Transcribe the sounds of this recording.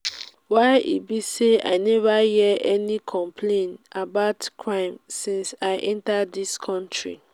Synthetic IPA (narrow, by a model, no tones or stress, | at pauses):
waɪʔḭbisea̰ɪnɛvajɛʔɛnikʰɔ̃mpʰlẽnabaʊtkʰɹãɪ̃msĩnsaɪʔɛ̃ntaddiskʰɔ̃ntɹḭ